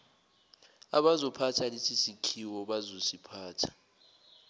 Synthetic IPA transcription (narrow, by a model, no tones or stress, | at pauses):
a̰ɓazɔpʰatʰalesisikʰiwɔɓazosipʰaːtʰḁ